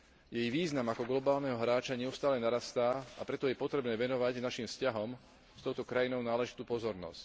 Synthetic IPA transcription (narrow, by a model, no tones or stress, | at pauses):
jɛjʋiːznamakɔɡlɔbaːlnɛɦɔɦɾaːt͡ʃaɲɛʊst̪aːlɛnaɾast̪aːapɾɛt̪ɔjɛpɔt̪ɾɛbnɛːʋɛnɔʋaɟnaʃimfscaɦɔm | st̪ɔʊt̪ɔkɾajinɔʊnaːlɛʒit̪uːpɔzɔɾnɔ̰sc